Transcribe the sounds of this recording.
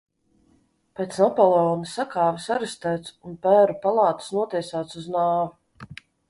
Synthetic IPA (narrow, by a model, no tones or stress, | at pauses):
pet̪snapɔlˠeɔːnisakaːvisaɾɨst̪æːt̪sunpæːɾupalˠɑːt̪u̥snuɔt̪ʲiɛsaːt̪suznaːvu